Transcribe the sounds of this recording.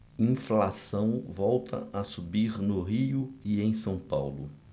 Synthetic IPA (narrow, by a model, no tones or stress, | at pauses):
ĩflasɐ̃w̃vɔwt̪ʰɐ̰asubiɾnʊɦiʊiẽj̃sɐ̃w̃pa̰wlʊ̰